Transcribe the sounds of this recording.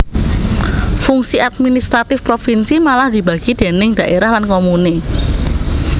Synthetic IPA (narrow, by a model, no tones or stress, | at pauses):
fuŋsiʔat̪̚minist̪ɾat̪ɪfpɾofinsimalahd̪̥i̤bä̤ɡ̥id̪̥e̤nɪŋd̥̪ä̤ʔeɾahlankomune